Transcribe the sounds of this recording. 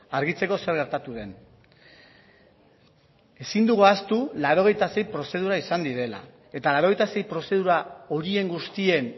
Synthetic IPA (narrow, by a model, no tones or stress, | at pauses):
aɾɣ̞it͡se̞ko̞se̞ɾɣe̞ɾt̪at̪uðe̞n | e̞sind̪uɣuast̪ulaɾo̞ɣ̞e̞jt̪ase̞jpɾo̞se̞ð̞uɾaisand̪iðe̞la̰ | e̞t̪alaɾoe̞jt̪ase̞jpɾo̞se̞ð̞uɾao̞ɾie̞ŋɡust̪ie̞n